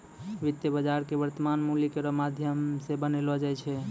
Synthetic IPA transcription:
ʋit̪jəbəd͡ʒaɾkebəɾt̪əmanmulikeɾɔmad̪ʱjəmsebənelɔd͡ʒajt͡ʃʰɛ

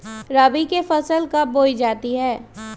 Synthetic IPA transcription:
ɾaːbikefɐsəlkaboːid͡ʒaːt̪iɦɛː

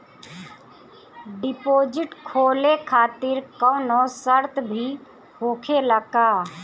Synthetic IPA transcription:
ɖɪpoːd͡ʒɪʈkʰoːlekʰaːt̪ɪɾkɔʊnosəɾt̪bʱi | hoːkʰeləkaː

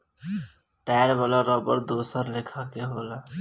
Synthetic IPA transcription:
ʈɛːɽʋəːlaɾɔːbəɾd̪oːsəɾlɪkʰakeɦoːlaː

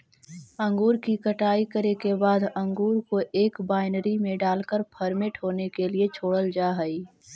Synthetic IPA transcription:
ə̃ŋɡuːɾkikəʈaːikəɾekebaːd̪ɐ̃ŋɡuːɾkoʔeːkbaːɪnəɾimẽɖaːlkəɾpʰəɾmeʈɦoːnekeliet͡ʃʰoːɽəld͡ʒaːɦəi

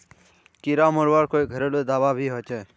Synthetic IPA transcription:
kiɾaːmoɾʋaɾkoːiɡʱəɾeloed̪aːʋaːbʱiːɦɔt͡ʃeː

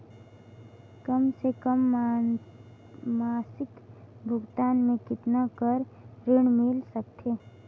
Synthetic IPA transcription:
kəmsekəm | maːsɪkbʱʊɡt̪aːnmẽkɪt̪nakəɾ | ɾɪɳ̃mɪlsək̚t̪ʰeː

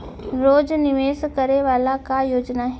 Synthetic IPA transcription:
ɾoːd͡ʒnɪʋeːskəɾeʋaːlakajoːd͡ʒnaɦ

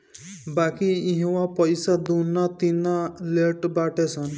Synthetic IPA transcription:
bakiiɦowapɔjsad̪unat̪inaleʈbaʈesʰɔn

